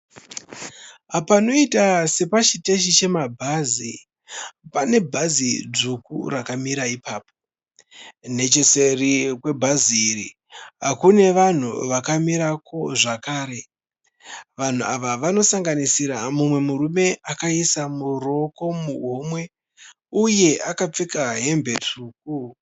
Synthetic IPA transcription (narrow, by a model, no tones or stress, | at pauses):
apano̞itase̞pat͡ʃite̞ʃit͡ʃe̞mabʱazi | pane̞bʱazid͡zukṵrakamiɾaipaːp̚o̞̥ | ne̞t͡ʃe̞se̞rikwe̞bʱaziːɾḭ | ɦakune̞ʋan̤ṵʋakamiɾako̞ʐakaːɾe̞ | ʋan̤uaʋaʋano̞saŋɡanisiɾamumwe̞muɾume̞akaisamuro̞ko̞muɦomwe̞ | uje̞ʔakap͡fekaɦe̞mbe̞tʰuːk̚u